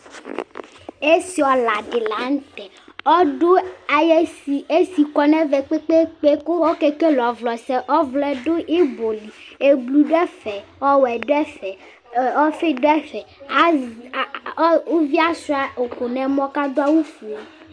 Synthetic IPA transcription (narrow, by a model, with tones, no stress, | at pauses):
e˦si˨ɔ˨la˨ɖe˨la˨˦ŋ̩˦t̪ɛ˨ | ɔ˦ɖo˦a˨jɛ˦i˨e˦si˨kɔ˨nɛ̃˦vɛ˨k͡pe˦k͡pe˦k͡pe˦ko˦wɔ˦kɛ˦ke˦lɔ˨vlɔ˨sɛ˦ʔɔ˦vlɛ˦ɖo˦ʔe˦bo˨li˨e˦blu˨ɖɛ˦fɛ˨ɔ˦wɛ˨ɖɛ˦fɛ˨ | ɔ˦fe˦ɖɛ˦ɸɛ˨a˦˨˦ | o˦vi˦a˦su˦a˨o˨ko˨nɛ̃˨mɔ̃˦ka˦d̪o˦a˦wu˦fu˨o˨